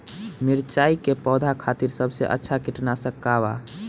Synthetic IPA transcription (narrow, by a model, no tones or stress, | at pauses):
miɾt͡ʃaikepɔd̪ʱakʰat̪iɾsəbsḛʔə̰tːʃʰakiʈnasəkːaβa̰